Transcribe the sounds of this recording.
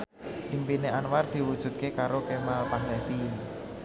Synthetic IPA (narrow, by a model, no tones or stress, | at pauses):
ʔimpineʔanward̪̥i̤wud̥ʒ̥ṳt̪̚kekaɾokemalpaɦlɛfil